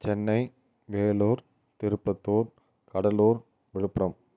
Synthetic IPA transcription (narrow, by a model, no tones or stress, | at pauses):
t͡ʃɛnːɐɪ | ʋeːloːɾ | t̪ɪɾɯpːɐt̪ːoːɾ | kɐɽɐloːɾ | ʋɪɻɯpːɾɐm